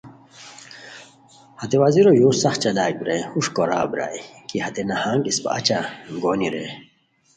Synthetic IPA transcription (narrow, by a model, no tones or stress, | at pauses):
hɐt̪ewaziɾojuːsɐxt͡ɕɐd̪aːɡ̚bɾeuʂkoɾa̰ːbɾa̰ːjkihɐt̪enɐhaːŋɡispɐ̰ɐ̰t͡ɕaɡoːniɾeː